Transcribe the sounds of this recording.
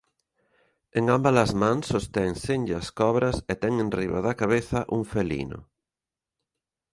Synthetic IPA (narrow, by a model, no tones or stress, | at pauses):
eŋambalɐzmãŋsːost̪ɛŋsenʎɐskɔβɾɐset̪ɛŋenriβa̰ðɐkaβeθɐʔuŋfelḭnʊ̰